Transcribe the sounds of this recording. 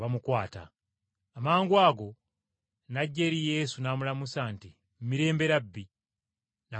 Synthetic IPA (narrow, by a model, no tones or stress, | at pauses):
βamukwaːta̰ː | maːŋɡwaːɡo̞ | naɟːeɾije̞ːsunaːmulamusaːnti | mumiɾe̞ːmbe̞ɾabːi | na